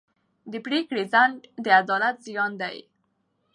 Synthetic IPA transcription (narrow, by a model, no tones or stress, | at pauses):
d̪əpɽekɽezand̪əad̪ɑlat̪zijɑnd̪a̰j